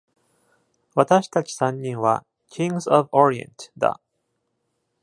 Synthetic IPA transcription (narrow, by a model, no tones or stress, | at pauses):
βat̪aɕi̥t̪at͡ɕi̥sãɲːĩŋβa̰ | kʲʰĩŋɡzoβoɾiḛ̃nt̪d̪a̰